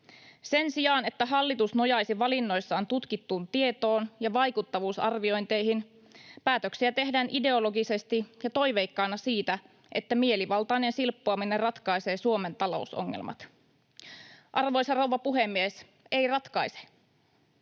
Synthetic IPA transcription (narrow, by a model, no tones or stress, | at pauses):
se̞nsijɑːne̞t̪ːæɦɑlːit̪usno̞jɑjsiʋɑlinːo̞jsːɑːnt̪ut̪kit̪ːuːnt̪ie̞t̪o̞ːnjɑʋɑjkut̪ːɑʋuːsɑ̰rʋio̞jnt̪e̞jɦin | pæːt̪øksiæt̪e̞ɦdæːnʔide̞o̞lo̞ɡise̞st̪ijɑt̪o̞jʋe̞jkːɑːnɑsiːt̪æ | ʔe̞t̪ːæmie̞liʋɑlt̪ɑine̞nsilpːoɑmine̞rrɑt̪kɑjse̞ːsuome̞nt̪ɑlo̞̰uso̰ŋːḛlmʔɑ̰t̪ | ʔɑrʋo̞jsɑrowʋɑpuɦe̞mːies | e̞jrɑt̪kɑjse̥